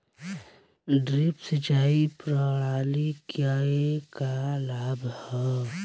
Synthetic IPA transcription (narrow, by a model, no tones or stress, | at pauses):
ɖɾipsed͡ʒaːipɾəɽaːlikjaekalaːbhɛ